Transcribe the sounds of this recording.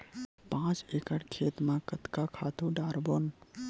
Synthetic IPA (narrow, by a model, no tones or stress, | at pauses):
pãːt͡ʃeːkəɽkʰeːt̪mãkɐt̪kakʰaːt̪ũɖaːɾboːn